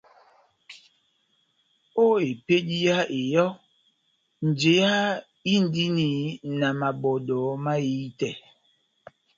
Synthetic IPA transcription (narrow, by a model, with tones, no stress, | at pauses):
o˦e˨pe˦di˦ja˦e˨jɔ˦ | n̩˨d͡ʒe˨˦ja˦ | i˦n̩˨di˦ni˨na˨ma˨bɔ˨dɔ˨˦ma˦ji˦tɛ˨